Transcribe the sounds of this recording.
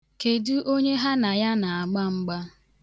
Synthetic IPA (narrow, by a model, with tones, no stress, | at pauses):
ke˨du˦ʔo˦ɲe˦ɦa˦na˨ja˦na˨a˨ɡ͡ba˦ŋ͡m̩˦ɡ͡ba˦